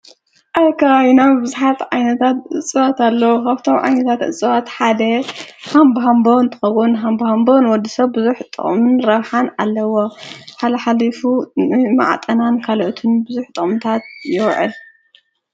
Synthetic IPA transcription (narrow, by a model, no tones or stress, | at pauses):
ʔajkʰaajnawbɨzuħat̪ʕajnɐt̪ʰat̪ʔɨ̰t͡sʼɨwat̪ʰalːɐwukʰaβt̪ʰo̞mʕa̰jnɐt̪ʰat̪ʔɨ̰t͡sʼːɨwat̪ħad̪ɐhambɦambont̪ʰɨ̥xɐwʊnɦambɐhambonwɔd̪ːisɐβːɨzuħt̪ʼɨ̰χʼmɨnɾɐβħana̰lːɐwoħalɐħalifunɨma̰ʕa̰t̪ʼɐnankʰalʔot̪ʰɨnbɨzuħt̪ʼɨχʼmt̪ʰat̪̚jɪwʕɨ̰l